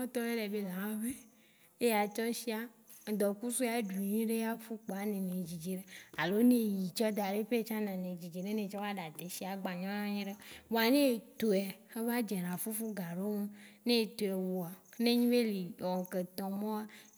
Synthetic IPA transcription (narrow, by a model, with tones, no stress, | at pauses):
ɔ̃˦t̪ɔ˦e˦ɖɛ˨be˦la˨ã˦ve˦ | e˦ja˨t͡ʃɔ˦ʃi˦a˦˨ | d̪ɔ˨ku˦su˦a˨ɖu˨ɲĩ˦ɖe˦a˦fu˦k͡pɔ˨a˨nẽ˨nẽ˨d͡ʒi˨d͡ʒe˨ɖe˦a˨lo˦nẽ˦ji˨t͡ʃɔ˦d̪a˨ɖe˦ɸe˦t͡ʃã˦nã˨nẽ˨d͡ʑi˨d͡ʒe˨ɖe˦nẽ˨t͡ʃɔ˦va˦ɖa˨t̪e˨si˦a˨ɡ͡ba˨ɲɔ̃˦nã˦ɲĩ˦ɖe˦wo˨a˨nẽ˦˨t̪o˨ɛ˨e˦va˦d͡ʒe˨nã˨fu˦fu˦ɡa˨ɖo˦mũ˦nẽ˦˨t̪o˨ɛ˨wo˨a˨˦nẽ˦ɲĩ˦be˦li˨wɔ˨ŋ˨ke˨t̪ɔ̃˨mɔ̃˦a˦